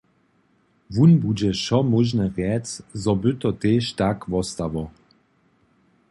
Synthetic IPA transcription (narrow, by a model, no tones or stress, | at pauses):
vunbud͡ʑɛʃɔmɔʒnɛʁjɛt͡szɔbʏt̪ɔt̪eːʃtakvɔst̪avɔ